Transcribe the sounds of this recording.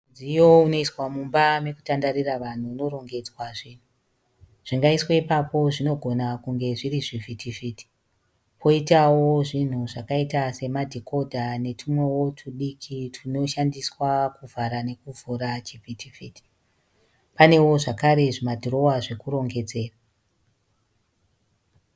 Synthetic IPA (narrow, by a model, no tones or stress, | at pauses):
nd͡zijouno̞iswamumbame̞ku̥tandaɾiraʋan̤uːno̞ɾo̞ŋɡe̞d͡zwaʐiːn̤u | ʐ̥iŋɡaisweipapo̞ʐino̞ɡʱo̞nakuŋɡe̞ʐiriʐivitifiti̥ | pʰo̞itawo̞ʐin̤uʐakaitase̞madʱikʰo̞dʱane̞tʰumwowotʰuɗikʰitʰino̞ʃandiswakuvʱaɾane̞kuvʱuɾat͡ʃivʱitʰifiːti̥ | pane̞wo̞ʐakaɾe̞ʐimadʱuɾo̞waʐe̞kuɾo̞ŋɡe̞d͡ze̞ːra